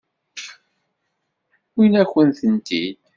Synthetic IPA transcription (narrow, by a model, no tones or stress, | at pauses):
winæçənθənt̪id̪